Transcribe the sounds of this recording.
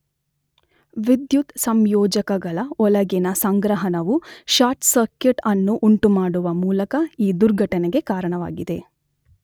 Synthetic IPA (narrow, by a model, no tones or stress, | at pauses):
ʋid̪jut̪sɐmjɔːd͡ʒɐkɐɡɐɭɐɔlɐɡɛnɐsɐŋɡɾɐɦɐnɐʋuʃaːɾʈsɐɾkeʈɐnːuʔuɳʈumaːɽuʋɐmuːlɐkɐiːd̪uɾɡʱɐʈɐneɡe̞kaːɾɐɳɐʋa̰ːɡid̪e̞